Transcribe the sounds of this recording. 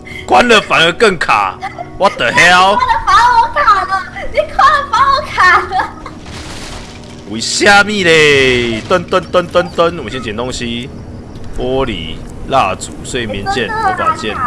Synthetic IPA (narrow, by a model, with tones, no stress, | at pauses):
kwa˦nlə˨fa˨˦nə˧kə˥˨ŋkʰa̰˨˩wa˦t̪ə˨hja˦wfa˧˦ə˧kʰa˨˩ni˨˦kʰwa˦nlə˧fa˧˦ə˧kʰa˨˩ | wi˨˩ɕja˥˧mĩ˥˧le˨t̪ə˦nt̪ə˦nt̪ə˦nt̪ə˦nt̪ə˦nwɕĩ˧˦t͡ɕɛ˨nt̪ɔ˦ŋɕi˦ | pwɔ˦lḭ˨ | la˥˧˨t͡sṵ˨˩˦se˥˨mji˨˧˦nt͡ɕjɛ˥˨n˧˦˨ka̰˨nt͡ɕɛ˥˨n